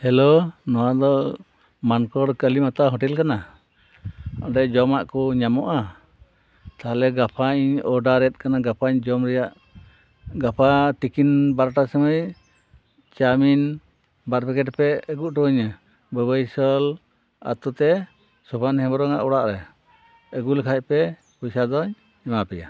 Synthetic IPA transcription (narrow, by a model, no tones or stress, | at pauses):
hɛlonɔwad̪ɔ | mankɔɾkəlimat̪aɦɔʈɛlkana | ɔɖɛd͡ʒɔmaʔkɔɲamɔʔa | t̪aɦlɛɡapʰaɲɔɖaɾɛt̪̚ˀkanaɡapʰaɲd͡ʒɔmɾɛjaʔ | ɡapʰat̪ikinbaɾʈasəməj | t͡ʃamin | baɾbɛkɛʈpɛəɡuʔʈɔɲə | bəbəjsɔl | a̰t̪ut̪ɛ | sɔbanhɛ̃bɔɾɔŋa̰ʔɔɽaʔɾɛ | əɡulkʰac̚pɛ | bɔjsad̪ɔɲ | ɛmapɛja̰